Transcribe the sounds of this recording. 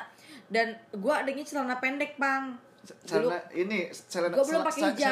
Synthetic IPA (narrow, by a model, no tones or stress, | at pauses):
danɡuaːdaŋit͡ʃəlanapɛndɛk̚paŋ | t͡ʃlʊainit͡ʃalanɡuabəlʊmpakeid͡ʒa